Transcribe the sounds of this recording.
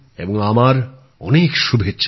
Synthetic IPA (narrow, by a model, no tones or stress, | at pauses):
eboŋamaɾ | ɔ̰nekʃubʱetːɕʰ